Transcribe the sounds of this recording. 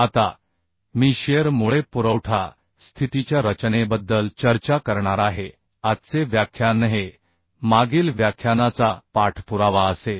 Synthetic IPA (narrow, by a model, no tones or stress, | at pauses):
at̪a | miːɕeɾmuɭepuɾəwʈʰa | st̪ʰit̪it͡ɕjaɾət͡ɕnebəd̪ːəlt͡ɕəɾt͡ɕakəɾɳaɾaɦe | at̪t͡seʋjakʰːjanəɦe | maɡiːlʋjakʰjanat͡sapaʈʰpuɾaʋaəse